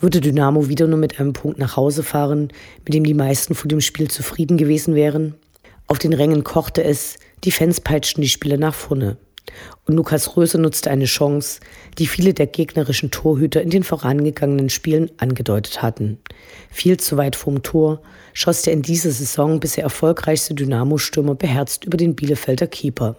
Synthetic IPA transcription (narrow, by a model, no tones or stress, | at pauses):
v̥ʏɐdədynaːmoviːdɐnuːɐmɪtʔaɪnəmpʰʊŋk̚tnaːχhaʊzəfaːʁənmɪt̚d̥eːmdiːmaɪstn̩fonɐdeːmʃpiːlt͡sufʁ̥iːdn̩ɡəveːzn̩vɛːʁ̞ən | ʔaʊfd̥eːnʁɛŋənkʰɔχtəɛs | d̥iːfɛnspʰaɪt͡ʃtn̩diːʃpiːlɐnaːχfɔɐnə̰ | ʔʊntluːkʰasʁøːzənʊt͡stəʔaɪnəʃɔŋsd̥iːfiːlədeːɐɡeːɡnəʁɪʃn̩tʰoːɐɦyːtɐɪndeːnfoːʁanɡəɡaŋənənʃpiːlənʔanɡədɔʏtʰə̥thatn̩ | fiːlt͡suvaɪtfɔːmtʰoːɐ | ʃɔsd̥eːɐɪndiːzɐzezɔŋbɪsd̥eːɐɛɐfɔlkʁ̥aɪçstədynaːmoʃtʏɐmɐbəɦɛɐt͡stʔyːbɐdeːnbiːləfɛldɐkʰiːpʰɐ